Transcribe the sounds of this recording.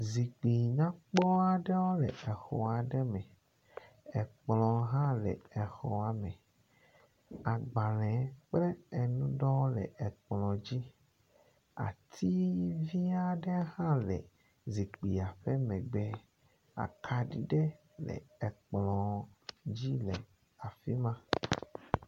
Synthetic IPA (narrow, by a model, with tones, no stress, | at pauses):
zi˨k͡pi˨ɲã˦k͡pɔ˦a˦˨ɖe˦wo˦lɛ̰˨e˨xɔ˨a˨ɖɛ˦mɛ˨ | e˨k͡plɔ̃˨ɦã˦lɛ̰˨e˨xɔ˨a˨mẽ˨ | a˨ɡ͡ba˨lɛ̃˨˦k͡ple˦e˨nũ˦ɖɔ˦wo˦lɛ̰˨e˨k͡plɔ̃˨d͡ʑi˦ | a̰˨t̪ʰi˦vi˦a˦ɖe˦hã˦lɛ̰˨ | zi˨k͡pi˨a˨ɸe˦mɛ̃˨ɡ͡be˦ | a̰˨kʰa˨ɖi˦˨ɖɛ˦ | lɛ̰˨ɛ˨k͡plɔ̃˨d͡ʑi˦lɛ˨ | a˨fi˦mã˦